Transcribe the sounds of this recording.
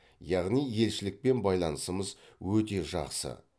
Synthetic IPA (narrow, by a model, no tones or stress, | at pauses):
jɑʁnije̞lʃɪlɪk̚pe̞nbɑjlˠɑnəsəməzwɵt̪e̞ʒɑ̰qsə̰